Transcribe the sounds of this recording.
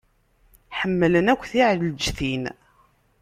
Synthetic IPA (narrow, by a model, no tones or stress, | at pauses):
ħəmːələnækʷːθiʕld͡ʒθin